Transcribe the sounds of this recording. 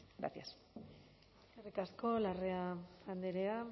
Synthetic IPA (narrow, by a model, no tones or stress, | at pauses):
ɡɾa̰θjas | eskarikasko̞lareaand̪eɾea